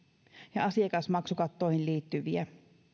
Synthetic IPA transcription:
jɑɑsiekɑsmɑksukɑt̪ːoˑihilliːt̪ːyʋiæ

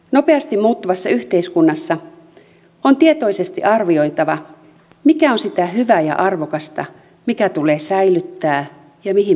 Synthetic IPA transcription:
nopeɑst̪imuːt̪ːuʋɑsːɑyht̪eiskunːɑsːɑ | ont̪iet̪o̞isest̪ḭʔɑrʋio̞jt̪ɑʋɑ | mikæonsit̪æɦyʋæjɑ̰ʔɑrʋokɑst̪ɑ̰ | mikæt̪uleːsæilyt̪ːæː | jɑmiɦi

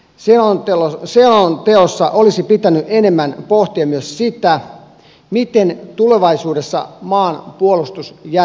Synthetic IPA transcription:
seooseont̪eosːɑʔolisipit̪ænyʔenemːænpoht̪iɑmyøssit̪æ | mit̪ent̪uleʋɑisuːdesːɑ̰mɑːnpuolust̪usjæ

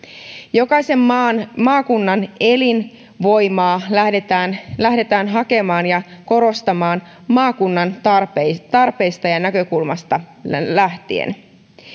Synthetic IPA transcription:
jo̞kɑjse̞mːɑːnmɑːkunːɑne̞lin | ʋo̞jmɑːædet̪æːnlæhde̞t̪æːnɦɑke̞mɑːnjɑko̞ɾo̞st̪ɑmɑːn | mɑːkunːɑnrpet̪ɑrpe̞jst̪ɑjɑnækø̞kulmɑst̪ɑlæht̪iḛn

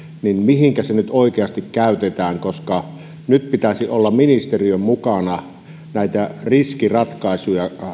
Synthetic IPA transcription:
ninmihiŋkæsenyt̪oˑikeɑst̪ikkæˑyt̪et̪æːŋkoskɑ | nyt̪pit̪æsiolːɑmminist̪eriømmukɑnɑ | næˑit̪æriskirɑt̪kɑˑesujɑ

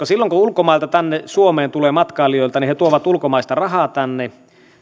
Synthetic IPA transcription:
kosilːoŋkuulkomɑˑilt̪ɑt̪ænːesuomeːnt̪uleːmɑt̪kɑːlijoˑilt̪ɑnihet̪uoʋɑt̪ulkomɑˑist̪ɑrɑhɑːˑt̪ænːe

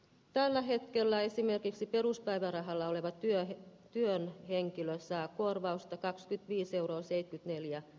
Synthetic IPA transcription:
t̪ælːæɦe̞t̪kelːæesime̞rkiksipe̞ɾuspæjʋærɑɦɑlːɑoleʋɑt̪yøt̪yønheŋkiløsːækuorʋɑust̪ɑkɑkskyt̪ʋiːse̞wɾoːsejt̪kyt̪ne̞ljæ

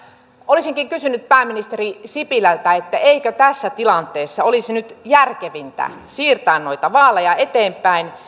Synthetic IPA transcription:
olisiŋkiŋkysynːyt̪̚pæːmːinist̪erisipilælt̪æet̪ːæeikøt̪æsːæt̪ilɑnt̪ˑeːsːɑolisinyt̪jærkeʋint̪æ̰siːrt̪ɑːnːoit̪ɑʋɑːlejɑet̪eːmpæin

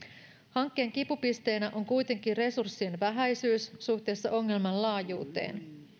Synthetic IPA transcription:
hɑŋkːe̞ːŋkipupist̪e̞ːnæʔo̞ŋkujt̪e̞ŋk̟ire̞sursːienʋæɦæjsyːsːuht̪e̞ːsːɑʔo̞ŋːe̞lmɑnlɑːjuːt̪ḛːn

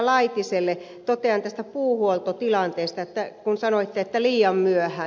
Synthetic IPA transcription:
lɑit̪iselːe | t̪ot̪eɑnt̪æst̪æpuːhuolt̪ot̪ilɑnt̪eːst̪ɑet̪ːækunsɑnoit̪ːeet̪ːæliːjɑmmyøhæ

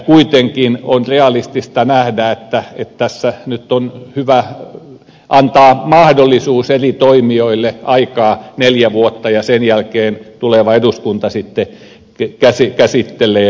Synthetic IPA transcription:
kuit̪eŋkinonreɑlist̪ist̪ɑnæhdæet̪ːæet̪t̪æsːænyt̪ːonhyʋæ | ʔɑnt̪ɑːmɑhdolːisuːserit̪oimioilːeʔɑikɑːneljæʋuot̪ːɑjɑsenjælkeːnt̪uleʋɑeduskunt̪ɑsit̪ːe | kæsikæsit̪ːelˑeː

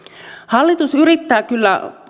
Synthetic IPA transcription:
hɑlːit̪usyɾit̪ːæːkylːæ̰

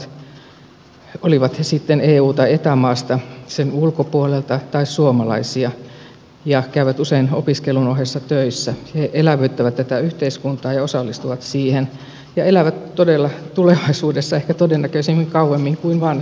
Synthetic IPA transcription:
oliʋɑt̪hesit̪ːeneːuːt̪ɑet̪æmɑːst̪ɑsenulkopuolelt̪ɑt̪ɑissuomɑlɑ̰isiɑ | jɑkæyʋæt̪useino̰piskelunoɦesːɑt̪øisːæheʔelæʋøyt̪ːæʋæt̪t̪ːæt̪æyht̪eiskunt̪ɑːjɑosɑlːist̪uʋɑt̪siːhen | jɑelæʋæt̪todelːɑt̪uleʋɑisuːdesːɑehkæt̪odenːækøisimːiŋkɑuʋemːiŋkuinʋɑːn

